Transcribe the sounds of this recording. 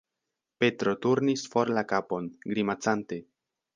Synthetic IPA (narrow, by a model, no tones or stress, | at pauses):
pe̞tɾo̞tuɾnisfo̞ɾlakapo̞nɡɾimat͡sante̞